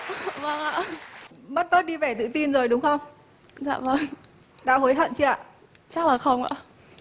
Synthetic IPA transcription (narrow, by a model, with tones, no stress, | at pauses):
və˧˩ŋa̰˧˨mə˦˥t̚mə˦˥t̚ɗi˧vɛ˨˧˩t̪ɨ̰˧˨t̪i˧nzo˨˩jɗʊ˨˦ŋ͡mxə˧wŋ͡m | za̰ː˧˨və˧˩ŋ | ɗa̰ː˧˥ɦo˨˦jɦə̰˧˨nt͡ɕi˧˥a̰ː˧˨ʔ | t͡ɕa˦˥k̚laː˨˩xə˧wŋ͡mʔa̰ː˧˨